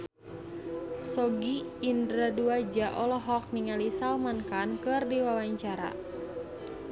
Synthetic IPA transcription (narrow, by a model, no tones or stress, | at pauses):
sɔɡiːndɾaduad͡ʒaʔɔlɔɦɔk̚niŋalisalmankankɨrdiwawaɲt͡ʃaɾa̰